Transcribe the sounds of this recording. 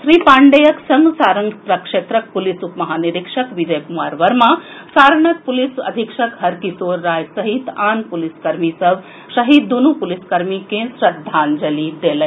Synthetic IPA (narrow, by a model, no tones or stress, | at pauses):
ʃɾiːpãːɳɖejɐksɐŋɡsaːɾɐŋɡp̪ɾɐkʂeːt̪ɾɐk̚pulisupmɐɦaːniɾikʂɐkʋid͡ʒɐjkumaːɾʋɐɾmã | saːɾɐɳɐk̚pulisɐ̰d̪ʱikʂɐkɦɐɾkisoːɾːaːjsɐɦit̪aːnpuliskɐɾmisɐʋ | ʃɐɦid̪ːunupuliskɐɾmikẽsɾɐd̪ʱːaːnd͡ʒɐlid̪eːlɐ